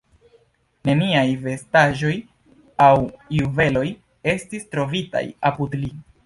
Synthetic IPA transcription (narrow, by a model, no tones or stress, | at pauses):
ne̞niajve̞staʒo̞j | awjuve̞lo̞j | e̞stistɾo̞vita̰japudli